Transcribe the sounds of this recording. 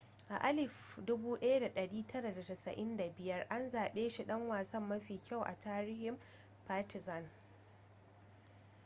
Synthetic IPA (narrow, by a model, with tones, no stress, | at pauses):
ʔa˨ʔa˦lɪ˨fdʊ˦buː˦ɗɐ˦ja˦da˨ɗɐ˨ɽiː˦tʰɐ˦ɽa˨da˨tɐ˨sɐ̰˨ʔɪ˦nda˨bɪ˦jɐ˦rʔa˦nzaː˨ɓeː˦ʃi˨ɗɐ˦ŋwaː˨sɐ˦mːɐ˦ɸiː˨kʲa˦˨wʔa̰˨tʰaː˦ɾɪ˦hɪ˨m | paː˦tɪ˨zɐ˨n